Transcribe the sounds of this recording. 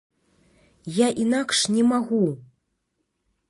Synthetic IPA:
jaʔinakʂnʲɛmaɣu

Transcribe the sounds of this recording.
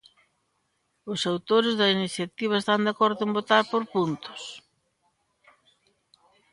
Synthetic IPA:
ʊsawt̪oɾɪzðɐiniθjat̪iβ̞ɐest̪and̪akɔɾðʊembot̪aɾpoɾpunt̪ʊ̥s

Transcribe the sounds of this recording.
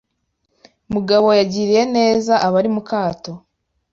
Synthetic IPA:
muɡaβo̞jaɟiːɾije̞ne̞ːzaʔaβaɾimukaːto̞

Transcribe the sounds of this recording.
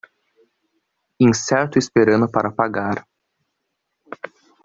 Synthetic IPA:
ĩsɛɾt̪ʊispeɾɐ̃nʊpaɾʔɐpaɡaɾ

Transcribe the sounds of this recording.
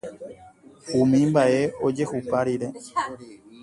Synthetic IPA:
ũmĩmbaʔe̞o̞d͡ʒe̞hupaɾiɾe̞

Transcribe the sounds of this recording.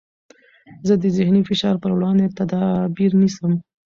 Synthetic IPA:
zəd̪əzɪhnifɪʃɑɾpəɾwɽɑnd̪et̪ad̪ɑbiɾnisəm

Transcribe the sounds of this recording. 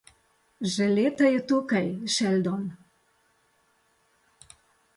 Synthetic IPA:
ʒɛleːt̪ajɛt̪uːkajʃɛld̪ɔn

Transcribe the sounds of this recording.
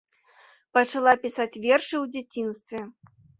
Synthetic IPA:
pɐt͡ʂalˠapʲisat͡sʲvʲɛrʂɨwd͡zʲat͡sʲinst̪vʲɛ

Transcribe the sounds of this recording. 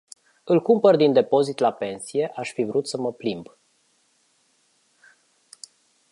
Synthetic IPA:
ɨlkumpərd̪ind̪e̞po̞zit̪lape̞nsije̞ʔaʃfivɾut̪səməplimb

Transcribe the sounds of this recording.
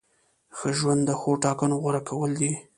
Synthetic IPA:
xəʒwand̪ːəxoʈɑkanoɣaɾakawəld̪i

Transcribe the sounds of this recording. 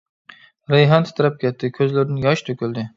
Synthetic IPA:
ɾejɦant̪ʰɪ̥t̪ʰɾap̚kʲʰet̪ːɪkʲʰɵzlaɾɪnɪjɒʃt̪ʰɵkʲɪld̪ɪ

